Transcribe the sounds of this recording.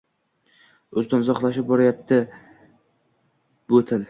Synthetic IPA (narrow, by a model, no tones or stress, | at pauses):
ɵzd̪ɪnzɒχlˠaʃ̬ɪp̚bɒɾajap̚t̪ʰɪ | bɵt̪ʰɪl